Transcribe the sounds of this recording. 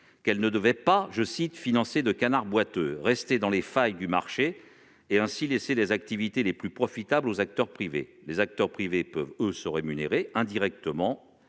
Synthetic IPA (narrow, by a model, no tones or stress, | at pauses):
kɛlnəd̪əvɛpaʒəsit̪finɑ̃sed̪əkanaʁbwat̪øʁɛst̪ed̪ɑ̃lefajd̪yma̰ʁʃeː | ɛ̃sileselezak̚t̪ivit̪eleplypχɔfit̪ablozak̚t̪œʁpχivḛlezak̚t̪œʁpχivepœvøsəʁemyneʁeɛ̃d̪iʁɛk̚t̪əmɑ̃